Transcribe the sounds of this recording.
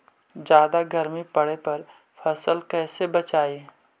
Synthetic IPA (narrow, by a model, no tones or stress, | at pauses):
d͡ʒjaːd̪aɡɐɾmipɐɽepɐɾ | fʰɐsəlkɛːsebɐt͡ʃaːi